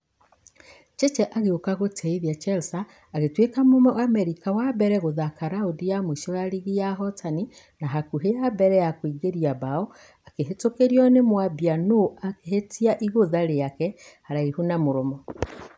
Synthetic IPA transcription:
t͡ʃɛt͡ʃɛʔaɣeokaɣotʰɛiðiat͡ʃɛlsaː | ɣetwekamomɔamɛɾikawabɛɾɛɣoðakaɾaodijamwoiʃɔjaɾiɣijaɦɔtani | naɦakuɦeabɛɾɛjakwiːɡeɾiabaɔ | akeɦetokeɾiɔnemwabianoakehetiaʔiɣoðaɾejakɛhaɾaihunamoɾomɔ

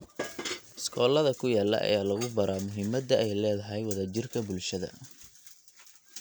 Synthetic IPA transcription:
ɪskʰɔːlɐðɐkʰʊjaːlːɐ̰ʔɐ̰jaːlɐɣʊbɐɾaːmʊɦɪmɐd̪ɐʔɛjlɛːðɐɦɛjwɐðad͡ʒɪrkʰɐbʊlʃɐðɐ̰

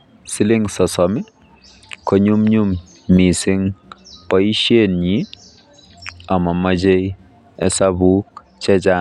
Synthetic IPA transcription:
siliŋsɔsɔmi | kɔɲumɲumː | isiŋpɔjʃenɲi | amamɐd͡ʒej | ɛsabuk | t͡ʃɛt͡ʃa

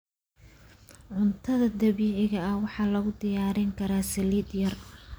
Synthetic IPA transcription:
ʕʊnt̪ʰɐðɐd̪ɐβiːʕɪɣɐɐwɑħɑːlɐɣʊd̪ɪjaːɾɪŋkʰɐɾaːsɛliːd̪jɐr

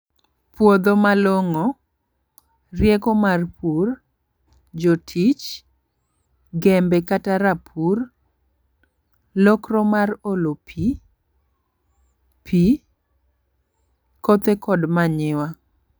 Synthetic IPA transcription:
pwod̪omaloŋo | rjɛkɔmarpʰur | d͡ʒotʰit͡ʃ | ɡɛmbɛkataɾapʰur | lɔkrɔmarolopʰi | pʰi | kot̪ekɔdmaɲɪwa

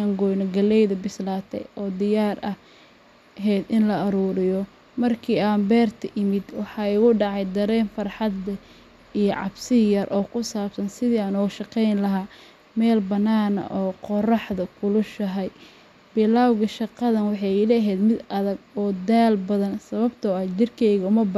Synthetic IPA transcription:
aŋɡɔjnɔɡɐlɛjðɐbɪslaːt̪ʰɛ̰jɔːd̪ɪjaːɾɐh | ɦɛd̪ɪnlɐɐɾuːɾɪjɔ | mɐrkʰiːaːmbɛːrt̪ʰɐʔɪmɪd̪wɑħɑːɪɣʊɖɑʕɑjd̪ɐɾɛːnfɑrħɑd̪ɐ | ijɔʕɑ̰bsɪjɐrʔɔːkʰʊsaːbsɐnsɪðiːaːnɔːʃɑqɛjnlɐɦaː | mɛːlbɐnːaːnɐ̰ʔɔːqɔrɑħd̪ɐkʰʊlʊʃɐɦɛj | b̥ɪlaːwɣɐʃɑqɑðɐnwɑħɑjlɛɦɛːd̪mɪd̪ɐðɐɡɔːd̪aːlbɐðɐnsɐβɐbt̪ʰɔɐt͡ʃɪrkʰɛjɣɐʊmɐb

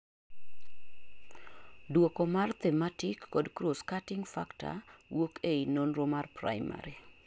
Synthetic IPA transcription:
dwokomart̪ɛmatikːɔdkɾoskatɪŋfa̰kta̰wokʰeinonɾomarpɾa̰ɪma̰ɾi

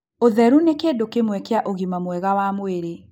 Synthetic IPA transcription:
oðɛɾunekedokemwɛkeaʔoɣimamwɛɣawamweɾe

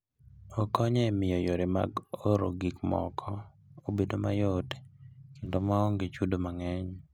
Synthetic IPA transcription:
okɔɲɛmɪjɔjoɾema̰ɡoɾo̰ɡikmɔ̰kʰɔ | obedomajotekendomaɔŋɡet͡ʃudomaŋɛɲ

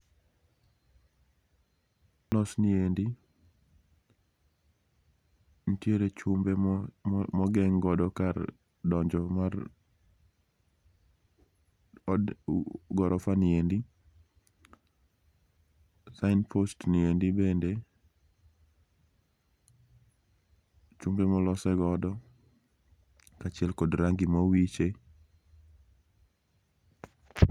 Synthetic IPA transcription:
lɔsniendi | n̩tjeɾet͡ʃumbe | mɔɡɛŋɡɔdɔkar | dɔɲd͡ʒɔmar | ɡɔɾʔɔfanɪendi | saɪnpʰostniendibende | t͡ʃumbemɔlɔsɛɡɔdɔ | kat͡ʃɪɛlkɔdɾaŋɡimɔwit͡ʃe

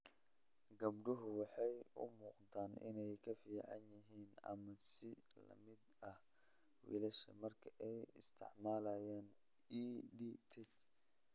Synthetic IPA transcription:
ɡɐbɖʊɦʊwɑħɑjʊ̰muːqt̪ʰaːnɪ̰nɛjkʰɐfiːʕɑ̰njɪɦiːnɐ̰mɐsɪlɐ̰mɪd̪ɐ | wḭːlɐʃɐmɐrkʰɐʔɛjɪ̰st̪ʰɪ̰ʕmaːlɐːjaːn | iːd̪it̪ʰɪt̪

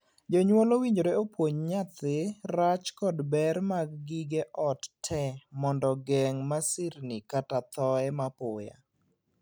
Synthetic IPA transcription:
d͡ʒoɲwolowiɲd͡ʒoɾeopwoɲɲat̪ɪɾat͡ʃkɔdbɛrmaɡɡiɡeʔɔttʰːɛmɔndɔɡɛŋmasɪrnikatat̪ɔɛmapoja̰

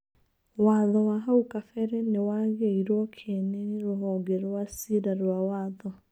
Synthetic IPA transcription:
waːðɔwaɦaukafɛɾɛnewaɣeiɾwɔkʰeneɾoɦɔːŋɡɛɾwasiɾaɾwawaːðɔ

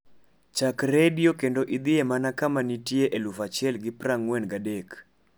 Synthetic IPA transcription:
t͡ʃakɾedjokendoʔid̪ɪemanakamanitjeʔelufat͡ʃjɛlɡɪpraŋwɛnɡadek

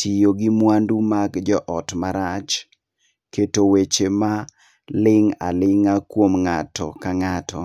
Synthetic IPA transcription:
tʰijoɡɪmwandumakd͡ʒɔʔɔtmaɾat͡ʃ | ketowet͡ʃema | lɪŋa̰lɪŋakwomŋatɔ̰kaŋatʰɔ̰

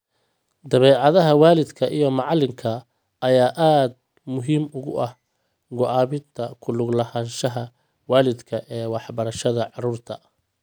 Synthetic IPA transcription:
d̪ɐβɛːʕɑðɐɦɐwaːlɪd̪kʰɐʔijɔmɑʕɑlɪmkʰɐ | ɐjaːʔaːd̪̚ | mʊɦiːmʊɣʊʔɐh | ɡʊʔɑːβɪnt̪ʰɐkʰʊlʊɡlɐhaːnʃɐɦɐ | waːlɪd̪kʰɐʔɛːwɑħbɐɾɐʃɐðɐʕɑruːrt̪ʰɐ

